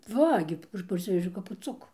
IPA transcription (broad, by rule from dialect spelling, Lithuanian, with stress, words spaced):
ˈʋɐ ɡʲɪ ˈɐʃ pɐrʲˈsʲɪʋʲɛʒʲɛʊ kɐp pʊˈt͡sʊkuː